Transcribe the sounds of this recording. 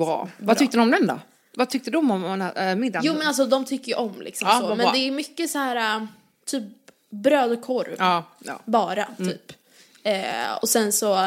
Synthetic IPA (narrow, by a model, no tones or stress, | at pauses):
ɾɑ̰ːvat̪ʏkt̪əd̪ɔmd̪ɛnd̪ɔ̰ | vat̪ʰʏk̚t̪əd̪ɔmɔmɛnæɛmɪd̪ːajuːmɛnals̬ɔd̪ɔmt̪ʰʏkːəjʔɔmlʔɪ̰ksɔmmsɔmɛnd̪ɛæɾmʏkːəsahæːɾa | t̪ʰyːp̚ | bɾøːd̪ɔkʰɔɾ̰ | bɑːɾat̪ʰyːp | ɛɔ̰sɛnsɔ